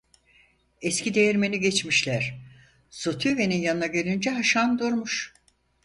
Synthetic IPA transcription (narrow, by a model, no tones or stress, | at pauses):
ɛscʲid̪ejiɾme̞niɟɛt͡ʃmiʃlʲæɾ̥ | sot̪ʰyve̞ninjanɯnaɟe̞lʲind͡ʒɛɦaʃand̪uɾmuʃ